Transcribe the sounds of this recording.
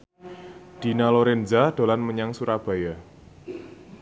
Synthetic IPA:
d̪̥inaloɾɛnzad̪̥o̤lanməɲaŋsuɾab̥a̤ja

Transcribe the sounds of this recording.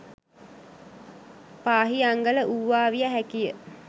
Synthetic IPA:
paːɦiaŋɡələʔuʋːaːʋijaɦækijə

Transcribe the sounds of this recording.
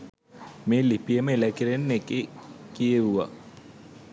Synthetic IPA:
meːlipijəməelakiɾenːekekijeʋuʋa̰

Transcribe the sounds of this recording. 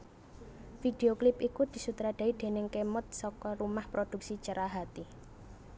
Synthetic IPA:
fid̥e̤oklɪpikud̪̥i̤sut̪ɾad̥a̤id̪̥e̤nɪŋkemʊt̪̚sɔkɔɾumahpɾod̪̥ṳk̚sit͡ʃəɾʔaɦat̪i

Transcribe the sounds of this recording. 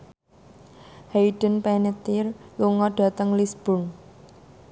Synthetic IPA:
hajɖ̥ə̤npɛnet̪ɪrluŋɔɖ̥ä̤t̪əŋlisb̥ʊn

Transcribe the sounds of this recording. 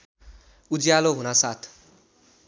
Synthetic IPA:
ud͡zjaloɦunasat̪ʰ

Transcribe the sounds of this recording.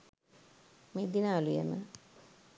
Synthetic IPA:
meːd̪inaːlujḛmə̰

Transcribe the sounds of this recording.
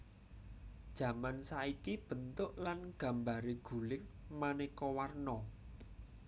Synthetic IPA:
d̥ʒ̥ä̤mansaikib̥ə̤nt̪ʊʔlanɡ̥ä̤mbaɾeɡ̥ṳlɪŋmanekɔwarnɔ

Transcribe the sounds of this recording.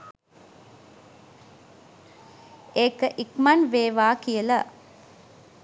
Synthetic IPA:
ʔeːkəʔikmɐnʋeːʋaːkijəlɐ

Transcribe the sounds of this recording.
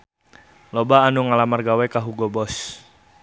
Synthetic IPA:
lɔbaːnuŋalamarɡawɛkaɦuɡɔbɔs

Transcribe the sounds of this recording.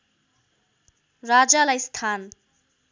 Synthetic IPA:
rad͡zalajst̪ʰan

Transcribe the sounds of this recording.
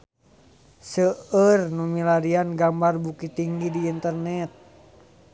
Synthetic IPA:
səərnumilaɾianɡambarbukit̪iŋɡidiːnt̪ərnɛt̪̚

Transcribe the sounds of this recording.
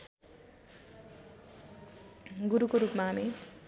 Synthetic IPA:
ɡuɾukoɾupmaɦami

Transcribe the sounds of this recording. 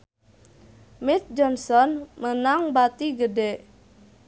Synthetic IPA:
mɛt̪̚d͡ʒɔnsɔnmənaŋbat̪iɡədɛʔ

